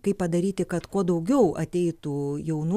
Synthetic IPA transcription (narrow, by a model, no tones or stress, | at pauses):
kɐɪpːɐd̪ɐɾʲiːt̪ʲɪkɐt̪kuɔd̪ɐʊɡʲɛʊɐ̰t̪ʲɛɪt̪uːjɛʊnu